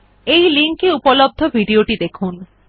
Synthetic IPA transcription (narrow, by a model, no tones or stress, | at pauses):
ejliŋkeupɔlɔb̚d̪ʱɔbʱiɖioʈid̪ekʰun